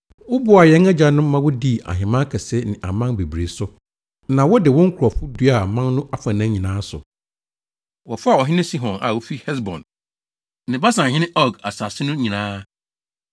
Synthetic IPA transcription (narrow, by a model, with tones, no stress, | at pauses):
wʊ˦bʊ˦˨a˨jɛ̃˦ŋɛ˦d͡ʑa˨nʊ̃˦mã˦wʊ˦di˦˨a̰˨ɦɪ̃˨mã˦kʰɛ˨sɪ˦nɪ̃˨ʔa̰˨mã˦ŋbe˨bɾe˨sʊ˦ | nã˨wɔ˦dɪ˨wɔ̃˦ŋ̩˦kʰʊ˨ɾɔ˨fʊ˦du˦a˨mã˦nnʊ̃˦ʔa˨fã˨nã˦ɲĩ˨nãː˦sʊ̰˨ | wɔ˨fʊ˦a˨ɔ˨ɦɪ˦nɪ̃˦si˦ɦɔ̃˨na̰˨wo˦fi˦hɛ˦s̬bɔ̰̃˨n | nɪ̃˨ba˦sã˨ɪ̃˦nɪ̃˦ʔɔ˦˨ɡa˨sa˨sɪ˦nʊ̃˦ɲĩ˨nãː˦